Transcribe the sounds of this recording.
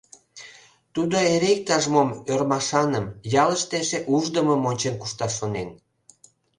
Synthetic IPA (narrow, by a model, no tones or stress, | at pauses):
t̪ud̪oeɾek̚t̪ɑʒmomørmɑʃɑnəmjɑləʃt̪eʃeʔuʒd̪əməmonʲt͡ɕenkuʃt̪ɑʃːonen